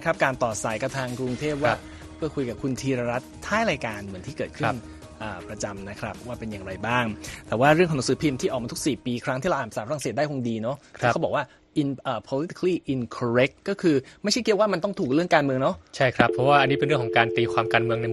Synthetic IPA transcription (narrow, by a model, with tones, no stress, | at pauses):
kʰɾa˦˥p̚kaː˧nt̪ɔː˨˩t̪̚sa˨˩˦jka˧˩t̪ʰaː˧ŋkɾu˧ŋt̪ʰeː˥˩p̚waː˥˦˩ | pʰɯ˥˩əkʰu˧jka˨˩p̚kʰu˧nt̪ʰiː˧ɾaː˧ɾa˦˥t̪ʰːaː˥˩jɾaː˧jkaː˧nmɯ˩˦ənt̪ʰiː˥˩kɤː˨˩t̪̚kʰɯ˥˦˩n | ʔəː˨˩pɾa˧t͡ɕa˧mna˦˥kʰɾa˦˥p̚ːwaː˥˩pe˧njaː˨˩ŋɾa˧jbaː˥˩ŋt̪ɛː˨˩waː˥˩ɾɯ˥˩ŋʰkʰɔ˨˦n˩˦sɯː˩˦pʰi˧mt̪ʰiː˥˩ʔɔ˨˩k̚mː˧t̪ʰu˥ksiː˨˩piː˧kʰɾa˦ŋʰiː˥˩lwʔaː˨˩msaː˨˦pʰa˧a˧ŋse˨˩t̚da˥˩kʰo˧ŋdiː˧nɔ˦˥ɔ˥kbɔː˨˩kwaː˥˩ | ʔi˧nʔːpʰɔː˧li˦t̪i̥˧˥˧liː˥˩ʔi˧nkʰɔ˧ɾe˦˥k̚ːɔː˥˩kʰɯː˧ma˥˩jt͡ɕʰa˥˩ki˦˥waː˥˩ma˧nt̪ɔ˥˩ŋt̪ʰuː˨˩k̚ɾɯ˥˩əŋkaː˧nmɯ˧əŋnɔ˦˥t͡ɕʰa˥˩jkʰɾa˦˥pʰːɾɔ˦˥waː˥˩ʔa˧niː˦˥pe˧nɾɯ˥˩əkʰɔ˩˦kaː˧nt̪iː˧kʰwaː˧mkaː˧nmɯ˧əŋna˧j